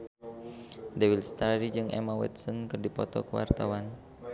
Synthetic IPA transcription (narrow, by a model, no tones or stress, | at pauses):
dewilst̪aɾid͡ʒɨŋʔɛ̰mawɛ̰t̪sənkərdipɔt̪ɔ̰kəwa̰rt̪awan